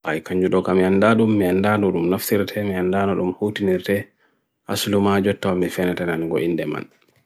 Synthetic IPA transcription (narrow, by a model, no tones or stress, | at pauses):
ʔajkaɲd͡ʒuɗɔkamiandaɗumːiandanɔɗumnaftiɾtʰɛmiandanɔɗumhuːtiniɾtɛ | ʔa̰slumad͡ʒɔtːawamːifɛnɛtananɡo̰ʔindɛma̰n